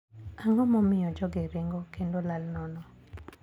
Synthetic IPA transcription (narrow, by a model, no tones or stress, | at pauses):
aŋɔmɔmɪjɔd͡ʒɔɡɪɾɪŋɡɔkendolalnɔnɔ